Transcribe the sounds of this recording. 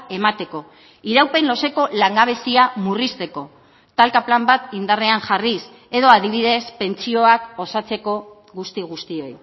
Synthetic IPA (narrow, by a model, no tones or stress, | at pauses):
e̞mat̪e̞ko̞ | iɾawpe̞nlo̞se̞ko̞laŋɡaβ̞e̞siamurist̪e̞ko̞ | t̪alkaplambat̪ind̪areaŋʝaris | e̞ðo̞aðiβ̞iðe̞spe̞nt͡sio̞ako̞sat͡se̞ko̞ | ɣust̪iɣ̞ust̪io̞j